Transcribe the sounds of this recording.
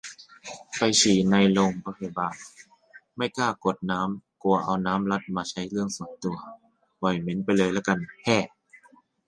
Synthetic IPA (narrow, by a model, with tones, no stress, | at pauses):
pa˧jsiː˨˩na˧jlo˧ŋbɔː˧˩kʰa˧˩baː˨˩ | ma˥˩jkʰaː˥˩ko˨˩t̪̚naː˦˥mku˧ɐʔa˧˩wnaː˦˥mla˦˥t̪̚maː˧t͡ɕʰa˦˥jlɯ˥˩əŋsu˨˦jt̪u˧ɐ | bɔ˨˩jme˨˦npa˧jlɤː˧˨jlɛ˦˥˩ka˧˩npʰɛː˧˩